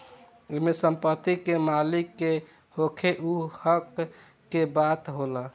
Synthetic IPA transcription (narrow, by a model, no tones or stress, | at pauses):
omesəmpət̪ikemalikːe | hokʰeʔuhəkː | ebat̪ɦolə